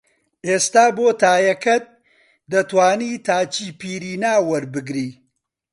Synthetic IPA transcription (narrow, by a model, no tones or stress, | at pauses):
ʔeːst̪aːboːt̪aːjɐkɐt̪̚ | d̪ɐt̪waːniːt̪ʰaːt͡ʃiːpiːɾiːnaːwɐɾbɨɡɾiː